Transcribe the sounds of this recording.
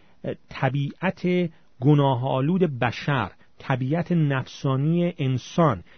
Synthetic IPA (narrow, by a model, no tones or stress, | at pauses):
t̪ʰæbiːʔæt̪ʰe | ɡonɒːɦɒːluːd̪e̞bæʃæɾ | t̪ʰæbiːʔæt̪ʰenæfsɒːnijeʔensɒn